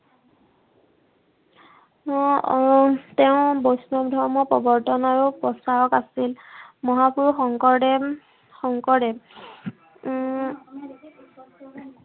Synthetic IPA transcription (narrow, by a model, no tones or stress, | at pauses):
tɛʊ̃bojsnɔbdʱɔɹmɔpɔbɔɹtɔnaɹupɹɔstaɹɔkasilmɔɦapuɹxɔŋkɔɹdɛ | xɔŋkɔɹdɛ